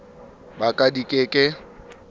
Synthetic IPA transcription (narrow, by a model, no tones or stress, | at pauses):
bakʼadikʼekʼɪ